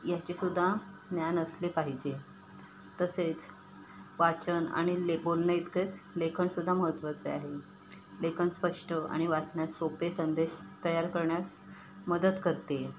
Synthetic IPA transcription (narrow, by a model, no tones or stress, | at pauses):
jat͡ɕesud̪ʱːa | njanəslepaɦid͡ʑe | t̪əset͡s | ʋat͡ɕəna̰ɽ̃ilebolnəit̪ket͡slekʰəɳsud̪ʱːaməɦət̪ʋət͡seaɦe | lekʰənspəʂʈəa̰ɽ̃iʋat͡snjasopesənd̪eɕt̪əjaɾkəɾɳjas | məd̪ət̪kəɾt̪e